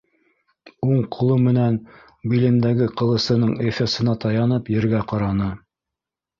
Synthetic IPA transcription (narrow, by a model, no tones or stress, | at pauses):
uɴqʰŏlˠɤmɘ̆næn | bilɘ̆nd̪æɡɘqɤ̆lˠɤ̆sɤ̆nɤɴefesɤ̆nɑt̪ɑjɑnɤpjɘ̆ɾɡæqɑɾɑnɤ